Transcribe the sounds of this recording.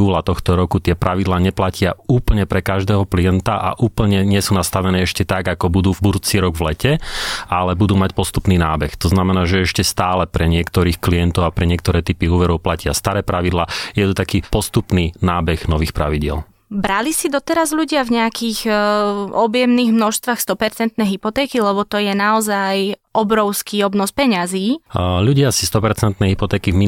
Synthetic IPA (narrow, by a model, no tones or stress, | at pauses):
uːlat̪ɔxt̪ɔɾɔkut̪ɪɛpɾaʋid̪laːɲɛplacɪauːpl̩ɲɛpɾɛkaʒd̪ɛːɦɔklijɛnt̪aʔa̰ʔuːpl̩ɲɛɲɪɛsuːnast̪aʋɛnɛːɛʃcɛt̪aɡakɔbud̪uːbud̪uːt͡siɾɔɡʋlɛcɛalɛbud̪uːmacpɔst̪upniːnaːbɛxt̪ɔznamɛnaːʒɛɛʃcɛst̪aːlɛpɾɛɲɪɛkt̪ɔɾiːxkliɛnt̪ɔʊapɾɛɲɪɛk̚t̪ɔɾɛːt̪ipiuːʋɛɾɔʊplacɪast̪aɾɛːpɾaʋid̪laːjɛt̪ut̪akiːpɔst̪upniːnaːbɛɣnɔʋiːxpɾa̰ʋiɟɪɛ̰l | bɾalisid̪ɔt̪ɛɾazʎuɟɪavɲɛakix | ɔbjɛmniːɣmnɔʃst̪ʋaxst̪ɔpɛɾt͡sɛnt̪nɛjɦipɔt̪ɛːkilɛβɔt̪ɔjɛnaɔzajʔɔbɾɔʊskiːɔbnɔspɛɲaziːʎuɟɪasi̥st̪ɔpɛɾt͡sɛnt̪nɛjɦipɔt̪ɛːkivmi